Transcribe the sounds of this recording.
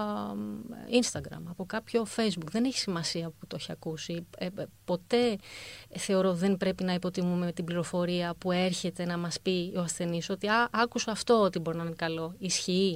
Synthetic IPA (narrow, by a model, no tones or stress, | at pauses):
inst̪ɐɡɾɐ̰mɐpo̞kɐpço̞fe̞jzbukðe̞ne̞çi̥simɐsiɐoput̪oeçiɐkusipo̞t̪e̞ | θe̞o̞ɾo̞ðe̞mpɾe̞pinɐipo̞t̪imume̞t̪ibliɾo̞fo̞ɾiɐpue̞ɾçe̞t̪e̞nɐmɐspioɐsθe̞niso̞t̪iɐʔɐkusoɐft̪o̞ot̪ibo̞ɾinɐinekɐlo̞isçii